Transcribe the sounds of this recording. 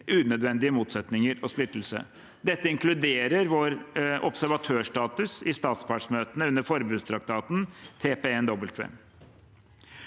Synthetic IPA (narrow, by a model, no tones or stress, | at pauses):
ʉːnœd̪ʋɛnd̪ɪəmuːt̪sɛt̪nɪŋəɾɔsplɪt̪ːl̩sə̰ | d̪ɛt̪ːəɪŋklʉd̪eːɾəɾʋoːɾʔɔ̰psæɾʋɑt̪ʰøːʂʈɑːt̪ʉsɪst̪ɑːt̪spʰɑʈʂmøːt̪ənəʉnːəɾfɔɾbʉːd̪st̪ʰɾɑk̚t̪ʰɑːt̪nt̪ʰeːpeːɛnd̪ɔbəlt̪ʰʋḛːm